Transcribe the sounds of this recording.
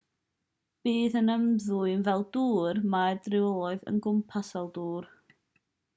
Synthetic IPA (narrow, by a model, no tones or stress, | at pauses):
b̥iːðənəmðuɨnvɛlˠduːrmadrɪwɔlˠɔɨðə̰nɡʊmpʰasɔlˠduːr